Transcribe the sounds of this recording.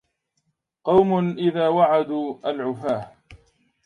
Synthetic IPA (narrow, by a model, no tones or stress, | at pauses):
qɑwmʊnʔɪðaːwaʕad̪uːʔalʕʊfaːh